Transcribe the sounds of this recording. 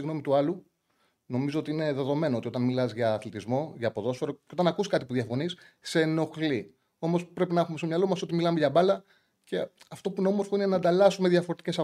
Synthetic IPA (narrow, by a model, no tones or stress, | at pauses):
iɣno̞mit̪uɐlu | no̞mizo̞ot̪iine̞ðe̞ðo̞me̞noot̪io̞t̪ɐnmilɐzʝɐːθlit̪izmo̞ʝɐːpo̞ðo̞sfe̞ɾo̞ceo̞t̪ɐnɐkuskɐt̪ipuðiɐfo̞nis | se̞no̞xli | o̞mo̞spɾe̞pinɐxume̞st̪omɲɐlo̞mɐso̞t̪imilɐme̞ʝɐbɐlɐ | ce̞ | ɐft̪o̞puno̞mo̞ɾfoine̞nɐːnd̪ɐlɐsumeðʝɐfo̞ɾet̪ice̞sɐ